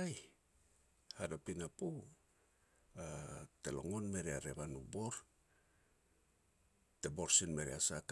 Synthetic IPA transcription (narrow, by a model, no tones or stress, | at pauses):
aj | hadapinapu | atelo̰ŋonme̞ɾeaɾeβanubo̞ɾ | tebo̞ɾsinme̞ɾeasak